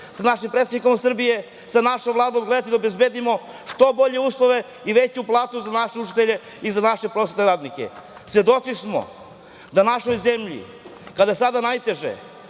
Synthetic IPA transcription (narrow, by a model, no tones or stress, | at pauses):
sanaʃimpɾet̪d̪iko̞msr̩bije̞ | sanaʃomvlˠaːd̪oːmɡle̞d̪at̪id̪aobe̞zbed̪imo̞ | ʂt̪o̞bo̞ʎe̞uːslˠoʋe̞ | iʋe̞t͡ɕuplˠaːt̪uzanaʃeut͡ʃi̥t̪eʎe̞ | izanaʃe̞pɾo̞sʲet̪neɾaːd̪nikḛ | svʋe̞d̪o̞t̪sismo̰ | d̪anaʃo̞jze̞mʎḭ | kad̪ajesad̪anajt̪e̞ʒḛ